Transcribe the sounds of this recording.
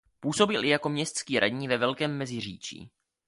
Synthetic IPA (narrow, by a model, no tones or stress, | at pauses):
puːso̞bɪlʔɪjako̞mɲɛst̪t͡skiːɾʔa̰dɲiːvɛvɛlkɛːmːɛzɪr̝iːt͡ʃḭː